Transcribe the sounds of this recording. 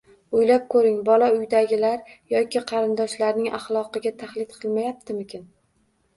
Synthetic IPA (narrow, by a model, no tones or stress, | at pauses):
ʊjlap̚kʰɵɾɪŋbɒlˠaʊjd̪aɡʲɪlaɾjɒkʲɪqʰɑɾɪnd̪ɒʃlaɾnɪŋʔa̰χlˠɒqɨɡʲat̪ʰaχlˠɪt̪qʰɨlˠmajap̚t̪ʰɪmɪkʲʰɪn